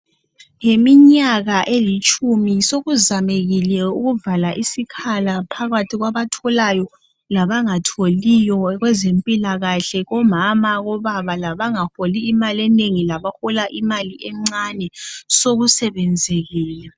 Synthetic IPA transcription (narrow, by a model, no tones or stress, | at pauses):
ŋemiɲaɣaʔelit͡ʃʼumisoɣuzameɣilɛuɣuvalaʔisikʰalapʰaɣatʰiɣwaβatʰɔlajɔ | laβaŋatʰolijɔɣwɛzempʼilaɣaɬɛɣɔmamaɣɔβaβalaβaŋaholiːmaliɛneŋilaβaxɔlaʔimaliʔɛŋ͡ǀanɛsoɣusɛβɛnd͡zʱeɣiːlɛ